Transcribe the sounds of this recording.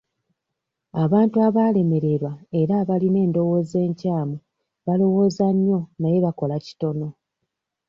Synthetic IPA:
aβaːntuaβale̞me̞ɾe̞ɾwae̞ɾaβaline̞ːndo̞wo̞ːze̞ːɲcaːmu | βalo̞wo̞ːzaɲːo̞naje̞βako̞laci̥to̞no̞

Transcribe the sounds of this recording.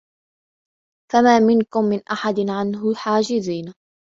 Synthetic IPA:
famaːmɪnkʊmːɪnʔaħad̪ɪʕanɦʊħaːd͡ʒɪziːn

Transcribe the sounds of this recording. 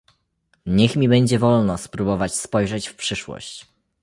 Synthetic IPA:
ɲɛxmʲibɛɲd͡ʑɛvɔlnɔspɾubɔvat͡ɕspɔjʐɛt͡ɕfpʂɘʂwɔ̰ɕt͡ɕ

